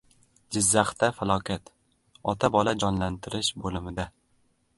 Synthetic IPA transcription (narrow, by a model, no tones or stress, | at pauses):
d͡ʒɪzːaχt̪afalˠɒkʲʰat̪ | ɒt̪ʰabɒlad͡ʒɒnlant̪ʰɪɾɪʃbolɪmɪd̪a